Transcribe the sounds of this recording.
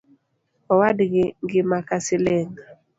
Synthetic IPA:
ɔwadɡɪŋɡɪmakasɪlɛŋ

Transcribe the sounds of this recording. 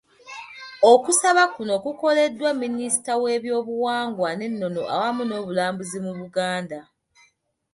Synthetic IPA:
o̞kusaβakuno̞kuko̞le̞dːwamːinisi̥tawe̞ːβjo̞ːβuwaːŋɡwane̞nːo̞no̞ʔa̰wamuno̞ːβulaːmbuzimuβuɡaːnda

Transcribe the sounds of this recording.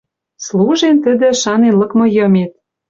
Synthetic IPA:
sluʒent̪ə̆d̪ə̆ʃɑnenlɤ̆kmɤ̆jɤ̆met̪̚

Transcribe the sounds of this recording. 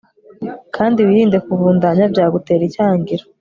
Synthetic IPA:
kʰaːndiwiːɾiːnde̞kuβuːndaɲabjaːɡute̞ːɾicaːŋɡiɾo

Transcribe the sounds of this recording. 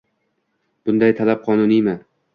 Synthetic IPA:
b̥ʊnd̪ajt̪ʰalap̚qʰɒnʊnijmɪ

